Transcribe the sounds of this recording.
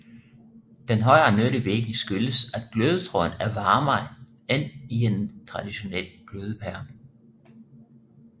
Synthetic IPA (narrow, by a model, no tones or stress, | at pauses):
d̥enɦɒ̽ɪɐːnøɾ̥iʋeɡ̥nəsɡ̥øləsæd̥̚ɡ̥løːð̞ˠət͡sʰʁɔ̽ɪnæɐʋɑ̈ːmɑ̈ɪ | en̰ie̝nt͡sʰʁɑ̈d̥iɕo̝nel̰ɡ̥løːð̞ˠəpʰæɐ